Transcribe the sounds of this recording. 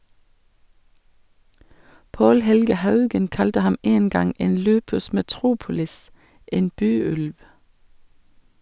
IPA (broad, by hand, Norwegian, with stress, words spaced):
ˈʔɑndʁeɪ ʃɛʋˈʃɛŋkʊ ˈʔɑːʋslʉtə ˈlɑnˌslɑːɡskɑʁɪˌæːn ˈpoː ˈjɛməˌbɑːnə ˈmeː ˈʔeːɛm